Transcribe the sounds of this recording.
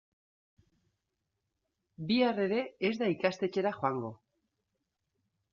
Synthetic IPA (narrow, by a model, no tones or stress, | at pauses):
biare̞ɾe̞ezðaikast̪e̞t͡ʃe̞ɾaxoaŋɡo̞